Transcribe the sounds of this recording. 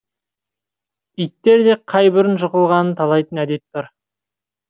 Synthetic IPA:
ijt̪ːe̞ɾd̪e̞qʰɑjbʏɾɪnʒʊqəlˠʁɑnənt̪ʰɑlˠɑjt̪ənæd̪e̞t̪̚bɑɾ

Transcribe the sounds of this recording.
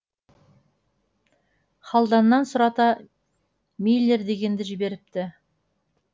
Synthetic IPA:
χɑlˠd̪ɑnːɑnsʊɾɑt̪ɑ | mejlʲːeɾd̪e̞ɡʲe̞nd̪ɪʒɪbe̞ɾɪp̚t̪ɪ

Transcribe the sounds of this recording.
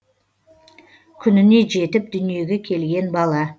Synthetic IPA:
kʲʰʏnɪne̞ʒe̞t̪ɪp̚d̪ʏnije̞ɡʲe̞kʲʰe̞lɡʲe̞nbɑlˠɑ

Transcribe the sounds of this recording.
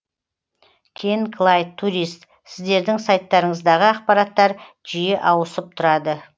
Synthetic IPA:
kʲʰeŋkʰlˠajt̪ʰːuɾist̪ | sɪzd̪e̞ɾd̪ɪŋsajt̪ːɑɾəɴəzd̪ɑʁəɑqpɑɾɑt̪ːɑɾ | ʒ̥ijeʔɑwəsəp̚t̪ʰʊɾɑd̪ə

